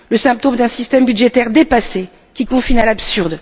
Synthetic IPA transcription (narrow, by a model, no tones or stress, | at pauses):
ləsɛ̃p̚t̪omd̪ɛ̃sist̪ɛmbyd̪ʒet̪ɛʁd̪epase | kʲikɔ̃finalabsyʁd̪